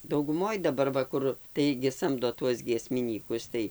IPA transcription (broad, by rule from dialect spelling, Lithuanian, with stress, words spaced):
dɐʊɡʊˈmoːj dɐˈbɐr ˈʋɐ ˈkʊr ˈtɐɪɡʲɪ ˈsɐmdoː ˈtuɔs ɡʲiɛsʲmʲɪˈnʲiːkʊs ˈtɐɪ